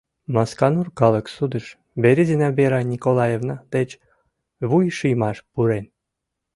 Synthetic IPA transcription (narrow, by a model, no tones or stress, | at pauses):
mɑskɑnurkɑləksud̪əʃ | beɾʲizinæbeɾɑnʲikolˠɑjevnɑd̪̥et͡ɕ | βujʃɯjmɑʃpuɾen